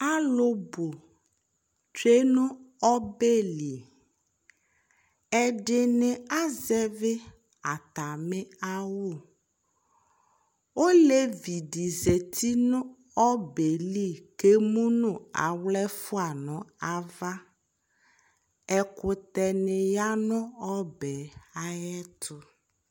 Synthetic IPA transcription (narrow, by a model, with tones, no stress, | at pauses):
a˦lo˦bo˨ | t͡ʃe˦nũ˦ɔ˦be˦li˨ | ɛ˦ɖe˨nẽ˨a˦zɛ˦ve˦ | a˨t̪a˨mẽ˦a˦wo˦˨ | wo˦le˦vi˨ɖi˨ze˨t̪ʰi˦nũ˦ | ɔ˦be˨li˦˨ke˦mũ˦nũ˦a̰˨wlɛ˦fu˦a˨nɔ̃˨a˨va˦ | ɛ˦kʊ˨t̪ɛ˨ne˨ja˦nɔ̃˦ɔ˦bɛ˨a˨jɛ˦t̪ʊ˦